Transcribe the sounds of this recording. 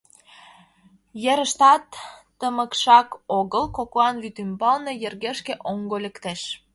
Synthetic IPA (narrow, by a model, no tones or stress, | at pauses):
jeɾə̆ʃt̪ɑt̪ː | əmə̆kʃɑkoɣəlkoklɑnβyt̪ymbɑlnejerɣeʃkĕʔoŋɡolʲĕkt̪eʃ